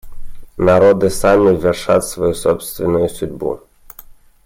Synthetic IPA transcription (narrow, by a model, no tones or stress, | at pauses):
nɐɾɔd̪ɪsɑmʲiʋʲɪrʃɑt̪ʲsʋɔjusɔpsʲt̪ʋʲɪnʊjʊsʲʊdʲbṵ